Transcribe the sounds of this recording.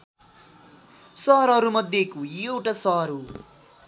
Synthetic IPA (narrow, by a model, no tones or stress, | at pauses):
sʌɾʌɾumʌd̪ʱjekojewʈasʌɦɾu